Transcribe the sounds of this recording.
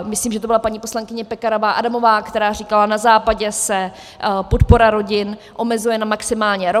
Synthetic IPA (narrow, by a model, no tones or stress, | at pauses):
mɪsliːmʒɛt̪obɪlapaɲiːpo̞slaŋkɪɲɛpɛkaɾovaːʔadamo̞vaːkt̪ɛɾaːr̝iːkalanazaːpaɟɛsɛ | pot̪poɾaɾo̞ɟɪnʔo̞mɛzujɛnamaksɪmaːlɲɛɾo